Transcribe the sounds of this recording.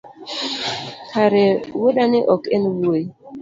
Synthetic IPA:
kʰaɾeweɗaniʔɔkenwu

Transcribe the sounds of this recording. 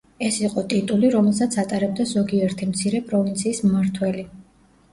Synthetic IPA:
ɛsiqʼɔt̪ʼit̪ʼuliɾɔmɛlˠsat̪sʰat̪ʼaɾɛb̚d̪azɔɡiɛɾt̪ʰimt̪sʰiɾɛpʼɾɔvint̪sʰiːsmːaɾt̪ʰwɛli

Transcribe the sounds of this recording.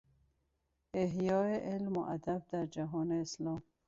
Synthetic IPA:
eɦjɔeʔɪlmoʔa̰d̪ab̚d̪aɾd͡ʒaɦɔneːslɔːm

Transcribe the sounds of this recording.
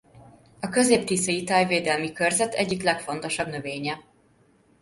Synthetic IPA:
ɒkø̞zeːp̚t̪isɒjit̪aːjveːd̪ɛlmikørzɛt̪ɛ̰ɟːiklɛkfo̞n̪t̪o̞ʃɒbnø̞veːɲɛ

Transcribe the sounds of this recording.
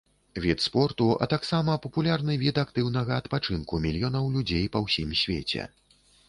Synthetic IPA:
vʲit̪spɔrt̪uɐ̰t̪aksamɐpɐpulʲarnɨvʲit̪akt̪ɨwnɐɣɐːt̪pat͡ʂɨnkumʲilʲjɔnɐwlʲud͡zʲejpɐwsʲimsʲvʲḛt͡sʲɛ̰

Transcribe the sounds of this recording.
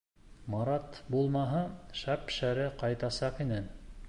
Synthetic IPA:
mɑɾɑt̪bulˠmɑɦɤʃæpʃæɾɘqɑjt̪ɑsɑqinæn

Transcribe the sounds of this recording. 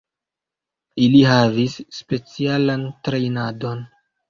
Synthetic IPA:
iliɦavisːpe̞t͡sialantɾe̞jnado̞n

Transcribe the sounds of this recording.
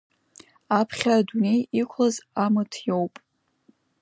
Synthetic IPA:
apʰχʲaːdune̞jikʷʰlazamɨtʰjowpʼ

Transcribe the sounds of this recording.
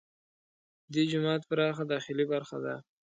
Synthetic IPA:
d̪id͡ʒʊmɑːt̪̚pəɾɑxad̪ɑxɪlibaɾxa̰d̪a̰

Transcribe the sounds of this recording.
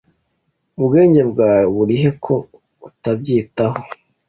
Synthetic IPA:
ubɡe̞ːɲɟe̞bɡaːβuɾiɦe̞kʰo̞ | utabɟiːtaho

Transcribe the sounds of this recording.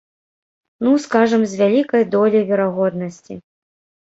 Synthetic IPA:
nuskaʐɐmzʲvʲalʲikɐjd̪ɔlʲivʲɛɾaɣɔd̪̚nɐsʲt͡sʲi

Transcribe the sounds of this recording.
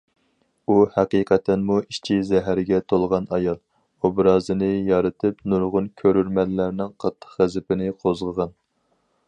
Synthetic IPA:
uhæqiqʰæt̪ʰɛnmuiʃt͡ʃʰizɛɦæɾɡʲɛt̪ʰolˠʁɑnɑjɑlˠ | obɾɑːzɨnɨjɑɾɨt̪ʰɨpnuɾʁʊnkʲʰøɾyɾmɛllːæɾnɪŋqʰɑt̪ʰːə̥qʁæzɪpɪnɪqʰozʁəʁɑn

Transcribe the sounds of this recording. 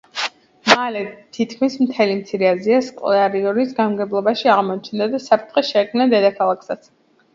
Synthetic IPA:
malɛt̪ʰit̪kʰmismt̪ʰɛlimt̪sʰiɾɛaziaskʼlaɾiɔɾisɡanmɡɛblˠɔbaʃiaʁmɔt͡ʃʰnd̪ad̪asapʰɾt̪ʰχɛʃɛkʰmnad̪ɛd̪akʰalˠakʰsat̪sʰ

